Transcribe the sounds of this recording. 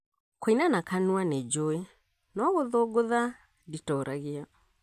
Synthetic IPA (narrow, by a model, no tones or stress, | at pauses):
koinanakanuaned͡ʒoe | nɔɣoðoɡoða | ditɔɾʔaɣea